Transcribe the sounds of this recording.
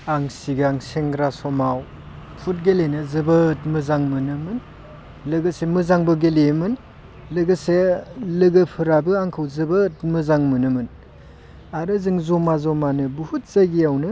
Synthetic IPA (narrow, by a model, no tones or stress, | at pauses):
aŋsiɡaŋseŋɡɾasɔmaw | pʰut̚ɡelenɯzɯbətmɯzaŋmɯnɯmɯn | lɯɡɯsemɯzaŋbɯɡelemɯn | lɯɡɯselɯɡɯpʰɯɾabɯaŋkʰɯwzɯbət̚mɯzaŋmɯnɯmɯn | aɾɯzɯŋzɔmazɔmanɯbuhut̚zajɡiawnɯ